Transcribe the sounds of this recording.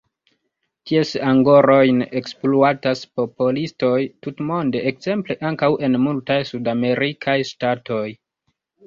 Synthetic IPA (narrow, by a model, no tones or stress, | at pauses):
tiesaŋɡo̞ɾo̞jne̞kspluataspo̞polisto̞jtutmo̞nde̞ʔekz̥e̞mple̞ʔaŋkawʔe̞nmultajsudame̞ɾikʰajstatʰo̞j